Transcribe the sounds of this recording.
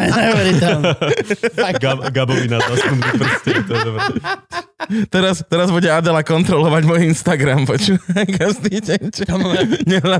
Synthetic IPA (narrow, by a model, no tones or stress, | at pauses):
ɛɾit̪ | ɡaɡabɔʋinazast̪umd̪upr̩scɛɾit̪ɔd̪ɔbɾɛ | t̪ɛɾast̪ɛɾazbuɟɛad̪ɛlakɔnt̪ɾɔlɔʋaɟmɔjiinst̪aɡɾampɔt͡ʃuʋajɡazd̪icɛɲt͡ʃɲɛla